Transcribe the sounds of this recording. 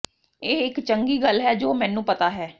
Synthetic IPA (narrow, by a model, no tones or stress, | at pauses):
eːɪkt͡ʃəŋɡiːɡəlɦɛːd͡ʒoːmɛ̃ːnũːpət̪aːɦɛː